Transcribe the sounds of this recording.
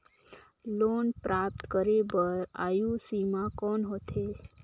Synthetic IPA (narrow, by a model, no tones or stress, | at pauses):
lonpɾap̚t̪kəɾebəɾa̰jũsimãkɔnɦot̪ʰe